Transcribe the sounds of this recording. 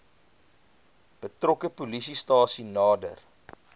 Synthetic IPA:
b̥ətrɔkəpulisistɑːsinɑːdə̰r

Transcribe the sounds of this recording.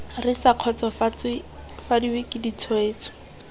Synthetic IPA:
rɪsaq͡χʰɔt͡sɔf | fadiwɪkʼidit͡sʰɔeːt͡sʰɔ̥

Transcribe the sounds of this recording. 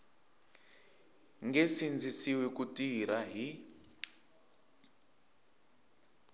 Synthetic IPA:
ŋɡesind͡zʱisiwɛkutʼiɾaɦi

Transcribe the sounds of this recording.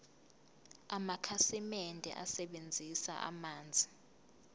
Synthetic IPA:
amakʰasɛmɛndʱɛ̰ʔasɛɓend͡zʱisa̰ʔa̰maːnd͡zʱi

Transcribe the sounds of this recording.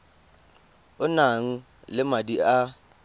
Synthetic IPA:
ʊnaŋ̩ | lɪmadia

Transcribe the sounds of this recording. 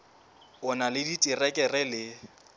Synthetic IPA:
ʊnalɪditʼirɛkʼɛrɛlɪ

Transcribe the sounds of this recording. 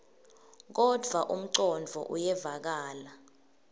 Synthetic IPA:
k̬ɔdʱwaʔum̩ǀɔnd͡vʱɔ̰ʔṵjɛvak̬aːla

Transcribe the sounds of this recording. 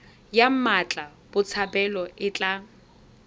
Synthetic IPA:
jam̩mat͡ɬʼa | b̥ʊt͡sʰabɛlɔɪt͡ɬʼa

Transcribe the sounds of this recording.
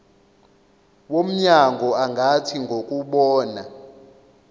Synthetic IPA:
wom̩ɲaŋʱɔaŋɡʱatʰiŋɡʱokʼuɓɔːna

